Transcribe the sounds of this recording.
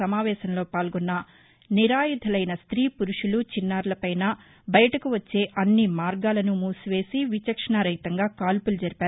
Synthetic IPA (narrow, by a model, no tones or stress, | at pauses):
ɐmaːʋɛːʃɐnlo̞ːpaːlɡɔnːɐ | niɾaːjud̪ʱɐlɐjnɐst̪ɾiːpuɾuʂulut͡ʃinːaːɾlɐpɐjnaː | bɐjɐʈɐkuʋɐt͡ʃːe̞ːʔɐnːimaːɾɡaːlɐnumuːsuʋe̞ːsiʋit͡ʃɐkʂɐɳaɾɐjt̪ɐŋɡaːkaːlpulud͡ʒɐɾipaːɾu